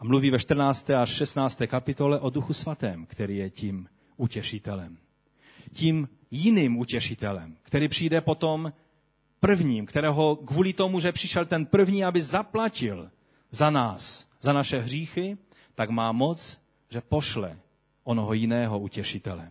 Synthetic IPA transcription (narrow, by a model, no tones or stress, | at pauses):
ʔamluviːvɛʃt̪r̩naːt͡st̪ɛːaʃʃɛst̪naːt͡st̪ɛːkapɪt̪o̞lɛʔoduxusvat̪ɛːmkt̪ɛɾiːjɛciːm | ʔucɛʃɪt̪ɛlɛm | ciːm | jɪniːmucɛʃɪt̪ɛlɛmkt̪ɛɾiːpr̥iːjdɛpo̞t̪om | pr̩vɲiːmkt̪ɛɾɛːɦo̞kvuːlɪt̪o̞muʒɛpr̥ɪʃɛlt̪ɛnpr̩vɲiːabɪzaplacɪl | zanaːszanaʃɛɦriːxɪ | t̪aɡmaːmo̞t͡s | ʒɛpo̞ʃlɛ̰ | ʔonoɦojɪnɛːɦo̞ucɛʃɪt̪ɛlɛ̰